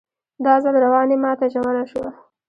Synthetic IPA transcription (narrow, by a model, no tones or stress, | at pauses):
d̪ɑzalɾawɑnemɑt̪aʒawalaʃwa